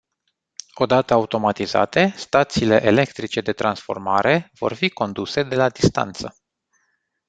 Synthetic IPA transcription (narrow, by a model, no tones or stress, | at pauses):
o̞d̪at̪əaut̪o̞mat̪iza̰t̪e̞st̪at̪siːle̞ʔele̞kt̪ɾit͡ʃe̞d̪e̞t̪ɾansfo̞̰rmaɾe̞vo̞̰rfiko̞nd̪use̞d̪e̞lad̪ist̪a̰nt̪sə